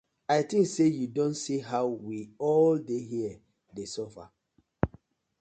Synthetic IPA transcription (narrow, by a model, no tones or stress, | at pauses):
aɪtĩŋksejudõntsiɦaʊwiɔldeɦiə | desɔfa̰